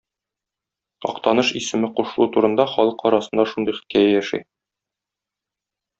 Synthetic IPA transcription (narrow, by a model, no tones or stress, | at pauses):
ɒ̰qt̪ɑnɤʃisɘ̆mɘquʃɤ̆lˠut̪uɾɤ̆nd̪ɑχɒlˠɤqɒɾɑsɤ̆nd̪ɑʃund̪ɤjχɘ̥̆t̪̚kæjæjæʃæ̰j